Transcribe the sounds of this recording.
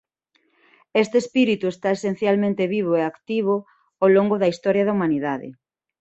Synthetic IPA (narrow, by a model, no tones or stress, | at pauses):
est̪espiɾit̪uest̪aesen̟θjalmẽnt̪eβiβ̞oeakt̪iβ̞o | oloŋɡoðɐist̪ɔɾjaðaumaniðaðɪ̰